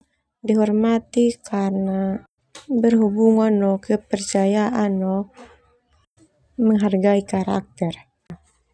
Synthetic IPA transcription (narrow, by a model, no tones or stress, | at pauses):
diɦɔrmat̪ikarna | bərɦubuŋanɔkəpərt͡ʃajaʔanɔ | məŋɦarɡaikaɾa̰k̚t̪ɛr